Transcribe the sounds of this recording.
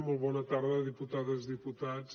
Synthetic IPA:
mulβɔnɐt̪aɾðɐðiput̪aðɐzðiput̪ad

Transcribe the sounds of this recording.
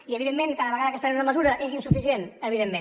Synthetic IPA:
iəβiðemːẽnkaðəβəɣaðəkəspɛunəməzuɾəʔezinsufisienəβiðemːen

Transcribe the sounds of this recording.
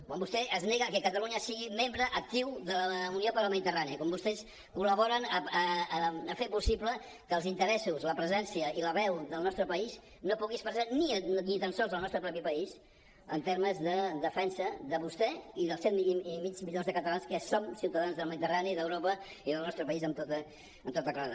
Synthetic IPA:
kwambust̪ɛʔəzneɣəkəkət̪əluɲəsiɣimembɾəʔək̚t̪iwðələuniopəɾəlˠməðit̪əranikɔmbust̪ɛs | kuləβɔɾənəəəfepusiplə | kəlˠzint̪əɾɛsuzləpɾəzɛnsiəʔiləβɛwðəlˠnɔst̪ɾəpəiz | nopuɣispəɾzaninit̪ansɔlˠzəlˠnɔst̪ɾəpɾɔpipəis | ə̰nt̪eɾməzðəd̪əfɛnsəðəβust̪ɛiðəlˠsɛt̪mimid͡ʒmiʎonzðəkət̪əlanskəsomsiwt̪əðanzðəlməðit̪əraniðəwɾopə | iðəlˠnɔst̪ɾəpəizəmt̪ot̪əː | mt̪ot̪əklaða̰

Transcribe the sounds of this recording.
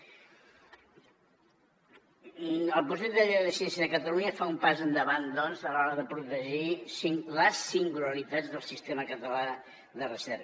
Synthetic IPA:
əlˠpɾus̬ed̪əʎeðəsiɛnsjəðəkət̪əluɲəfaumpazənd̪əβand̪ɔnzəlɔɾəðəpɾut̪əʒisiŋləsːiŋɡuləɾit̪ad͡zðəlˠsist̪eməkət̪əla | ðərəsɛɾkə

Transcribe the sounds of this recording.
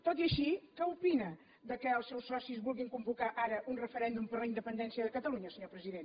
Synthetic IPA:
t̪ot̪iəʃikəupinə | ðəkəːlˠsɛwsːɔsizβulˠɣiŋkumbukaʔaɾəʔunrəfəɾɛnd̪umpəɾlˠəind̪əpənd̪ɛnsiəðəkət̪əluɲəsəɲopɾəziðen

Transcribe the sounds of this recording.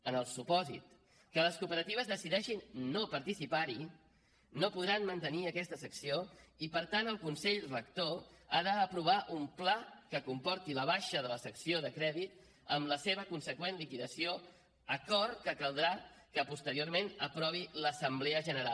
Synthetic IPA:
ənəlˠsupɔzḭt̪ | kələskupəɾət̪iβəzðəsiðɛʃinːopəɾt̪isipaɾi | nopuðɾanmənt̪əniəkɛst̪əsəksioipəɾt̪ant̪əlˠkunsɛʎrəkt̪oaðəːpɾuβ̞aʔumplakəkumpɔɾt̪iləβ̞aʃəðələsəksioðəkɾɛðit̪̚ | əmləseβəkunsəkwenlikiðəsio | əkɔɾt̪̚kəkəlˠd̪ɾakəpust̪əɾioɾmenəpɾɔβ̞iləsəmblɛəʒənəɾal

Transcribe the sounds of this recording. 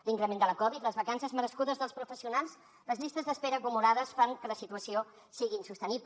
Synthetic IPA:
liŋkɾəmend̪ələkɔβit̪ləzβəkansəzməɾəskuðəzðəlˠspɾufəsiunalˠs | ləzʎist̪əzðəspeɾəːkumulaðəsfaŋkələsit̪uəsio | siɣinsust̪əniβ

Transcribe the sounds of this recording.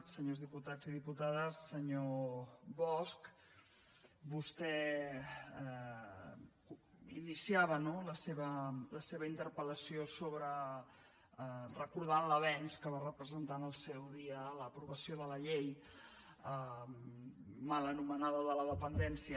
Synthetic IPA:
səɲozðiput̪ad͡ziðiput̪aðəsːəɲoβɔsk | bust̪ɛ | inisiaβənoləseβələseβəint̪əɾpələsiosoβɾə | rəkuɾð̞anləβɛnskəβarəpɾəzənt̪anəlˠsɛwðiələpɾuβəsioðələʎej | ə | malənumənaðəðələðəpənd̪ɛnsiə

